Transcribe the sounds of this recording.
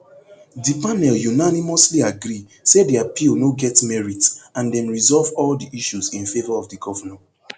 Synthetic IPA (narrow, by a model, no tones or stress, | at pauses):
dipanɛljunanimɔsliaɡɹi | sediapilnoɡɛtmɛɹitãndɛ̃nɹizɔlvɔldiʔiʃuzĩnfevɔɹɔvdiɡɔvənɛ̃